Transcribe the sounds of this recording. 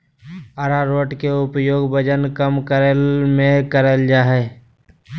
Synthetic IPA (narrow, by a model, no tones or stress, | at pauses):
aɾaɾoːʈkeʊpjoːɡbəd͡ʒənkəmkəɾəlmẽkəɾəld͡ʒaːɦɛ